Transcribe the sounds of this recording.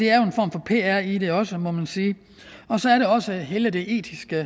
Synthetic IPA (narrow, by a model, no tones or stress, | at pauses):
d̥e̝æɐjo̝e̝nfɒ̰ːmfɒ̽pʰe̝̰ːæɐ̰id̥e̝ɒ̽səmɒ̽mænsiː | ɒ̽sɒ̽æɐɾe̝ɒ̽səɦeːləd̥e̝ʔe̝̰ːd̥ʰisɡ̥ə